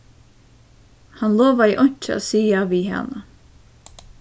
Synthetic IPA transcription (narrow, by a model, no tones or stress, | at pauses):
hɑnloːʋɑiːʔɔɲt͡ʃəo̰siːjɑːʋiːhɛ̰nə